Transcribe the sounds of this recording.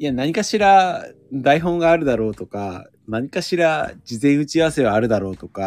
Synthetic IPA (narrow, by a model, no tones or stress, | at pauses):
ijanaɲ̟ikaɕiɾad̪aiɦõ̞ŋɡaːɾɯ̟d̪aɾo̞ːt̪o̞ka̰ | naɲ̟ikaɕiɾad͡ʑizẽ̞ɰ̃ɯ̟t͡ɕiaβase̞βaːɾɯ̟d̪aɾo̞ːt̪o̞ka